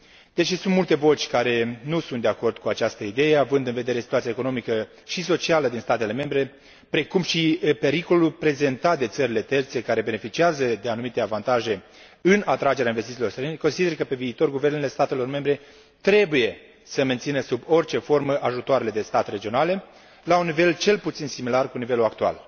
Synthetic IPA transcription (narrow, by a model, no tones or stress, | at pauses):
d̪̥eʃisunt̪mult̪e̞vo̞t͡ʃʲkaɾe̞nusunt̪d̪e̞ako̞rd̪̥kuat͡ʃast̪əid̪e̞jeavɨnd̪ɨnved̪e̞ɾesi̥t̪uat̪siaeko̞no̞mikə | ʃiso̞t͡ʃialəd̪inst̪at̪e̞le̞me̞mbɾe̞ | pɾe̞kumʃipe̞ɾiko̞lulpɾe̞ze̞nt̪at̪̚d̪e̞t̪səɾile̞t̪e̞rt̪se̞kaɾe̞be̞ne̞fit͡ʃiazəd̪e̞anumit̪e̞avant̪aʒe̞ | ɨnat̪ɾad͡ʒe̞ɾeainvest̪it̪ilo̞rst̪ɾeneko̞nsid̪erkəpe̞viːt̪o̞rɡuve̞rnele̞st̪at̪e̞lo̞rme̞mbɾe̞ | t̪ɾe̞buje̞ | səment̪sinəsubo̞rt͡ʃe̞fo̞rməʔaʒut̪oaɾe̞le̞d̪est̪at̪re̞d͡ʒio̞nale̞ | launːive̞lt͡ʃe̞lput̪sinsimilarkunive̞luak̚t̪ua̰l